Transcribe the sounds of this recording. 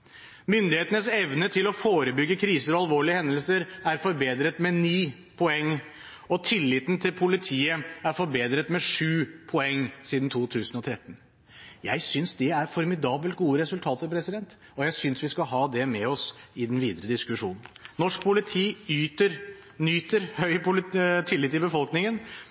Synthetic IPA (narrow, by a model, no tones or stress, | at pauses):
mʏnd̪ɪheːt̪ənəsɛʋnət̪ʰɪlɔfoːɾəbʏɡːəkʰɾiːsəɾɔɑlʋoːɭɪəhɛnd̪əlsəɾæɾfɔɾbeːd̪ɾət̪mɛniː | pʰɔɛŋː | ɔt̪ʰɪlːɪt̪n̩t̪ʰɪlpʰʊlɪt̪ʰiːəæɾfɔɾbeːd̪ɾət̪mɛʂʉːpʰɔɛŋːsiːd̪n̩t̪ʰuːt̪ʰʉːsənɔt̪ʰɾɛt̪ːn̩ | jæ̰ɪsʏnsd̪ɛæɾfɔɾmɪd̪ɑːbəlt̪̚ɡuːəɾɛsʉlt̪ʰɑːt̪əɾpʰɾɛsɪd̪ɛnt̪ | ɔjæɪsʏnsʋɪskɑɦɑːd̪ɛmɛɔsɪd̪ɛnʋiːd̪əɾəd̪ɪskʉʂuːnn̩nɔʂk̚pʰʊlɪt̪ʰiːyːt̪əɾ | nyːt̪əɾhœʏpʊt̪ʰɪlːɪt̪ːɪlbəfɔlknɪŋən